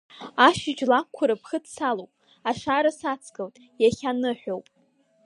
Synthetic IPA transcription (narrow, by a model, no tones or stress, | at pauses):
aʃɪd͡ʒʼlakkʷʰʊɾɨpʰχədsalowpʼ | aʂaɾasat͡sʰkʰʼɨltʼ | jaχʲanɨħʷᶣowpʼ